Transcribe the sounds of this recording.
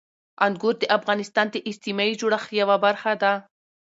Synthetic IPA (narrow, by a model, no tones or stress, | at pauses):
anɡoɾd̪əʔafɣɑnɪst̪ɑnd̪əʔɪst̪imɑid͡ʒoɽaxjawabaɾxad̪a